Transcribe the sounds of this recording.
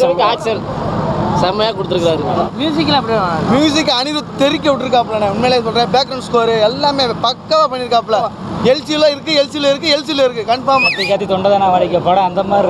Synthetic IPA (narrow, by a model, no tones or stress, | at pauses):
sɐaːksɛl | sɐmɐjaːkɔɽɯt̪ːɯɾɯkːɾaːðɯmjuːs̬ɪk̬ːlɐpːɐɽiːnamjuːs̬ɪkːɐnɪðɯt̪ɛɾɪk̬ʲːɐʋɪʈːɪɾɯkːaːpːɭlãːnẽʊnmeːles̬ɔlɾẽːbaːkɡɾɐʊ̃nskoːɾɯɛlːaːmeːpɐkːɐʋapɐɳːɪɾɯkːaːp̬ːlãɛlsɪjlõːɪɾɯk̬ːɯɛlsɪloːɪɾɯkːɯɛlsɪjlõːɪɾɯkːɯkɐɳfaːɾmɐt̪ːɐkːaːt̪it̪ɔɳɖɐðaːnaːʋɐɽɪkːɐpoːɽɐ̃ːɐnd̪ɐmaːd̪ɾ